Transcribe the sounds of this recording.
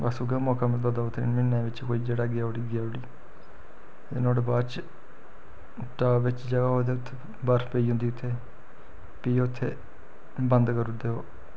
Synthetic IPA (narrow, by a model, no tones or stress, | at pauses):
basuɡemɔːkaːmət̪ləbd̪aʊt̪ʰːmɪnːẽːʋɪt͡ʃkoːiːd͡ʒeːɽaːɡɪjaːʊɽiːɡɪjaːʊɽiː | eːnoːɽbaːt͡ʃ | ʈaːʋɪt͡ʃd͡ʒəɡaːɦoːd̪eːʊt̪ʰːe | bəɾpeiːɦʊ̃nd̪iːʊt̪ʰːeː | piːʊt̪ʰːeː | bənd̪kəɾʊd̪eːoː